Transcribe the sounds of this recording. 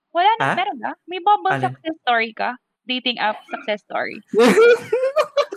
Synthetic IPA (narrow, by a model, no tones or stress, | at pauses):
wɐlaːnmɛɾonkɐmɐjbabɐsɐk̚sɛst̪oːɹikɐ | d̪ejt̪ɪŋʔɐp̚sɐk̚sɛst̪o̰ɹḭ